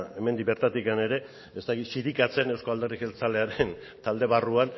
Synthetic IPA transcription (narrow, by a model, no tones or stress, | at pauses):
e̞me̞nd̪ibe̞ɾt̪at̪ikane̞ɾe̞ | est̪akit̪siɾikat͡se̞ne̞wskoald̪e̞rixelt͡sale̞aɾen | t̪ald̪e̞βaruan